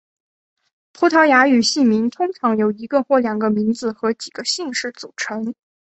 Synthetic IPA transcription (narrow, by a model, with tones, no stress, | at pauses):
pʰu˧˥t̪ʰɑ˧˥ʊja˧˥y˨˩ɕi˥˩mi˧˥nt̪ʰʊ˥ŋʈ͡ʂʰɑ˧˥ŋjo˨˩ʊi˧˥ɡə˧xwɔ˥˩ljɑ˨˩ŋɡə˦mi˧˥nd͡zɹ̩˧xɤ˧˥t͡ɕi˨˩ɡ̥ə˦ɕi˥˧ŋʂɻ̩˥˩t͡su˨˩ʈ͡ʂʰɤ˧˥ŋ